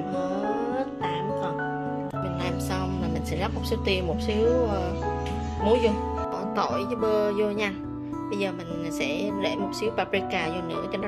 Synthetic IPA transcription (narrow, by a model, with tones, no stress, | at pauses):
nɔ˨˦ | zə˦˥t̚t̪aː˧˩mt̪ʰə˨˩n̚ | mï˨˩ŋ̟laː˨˩msa˧wna˨˩mï˨˩ŋ̟sɛ̰˧˥za˦˥k̚mo˨˩t̚si˨˦əwt̪i˧˩əmmo˨˩t̚si˨˦əwʔəː˨˩ | mo˨˦jzo˧ | kɔ̰˧˩nt̪o̰˧˩˨jə˨˦ɓəː˧zo˧ɲa˧ŋ | ɓə˧jzəː˨˩mï˨˩ŋ̟˨sɛ̰˧˥ɗḛ˧˩mo˨˩t̚si˨˦əwpaː˧pɾi˦˥kːaː˧˩zɔ˧nɨ̰˧˥ət͡ɕɔ˨˧˦